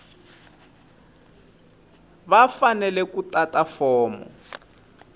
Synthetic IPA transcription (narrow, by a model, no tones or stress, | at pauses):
βafanɛlɛkutatafɔːmɔ̰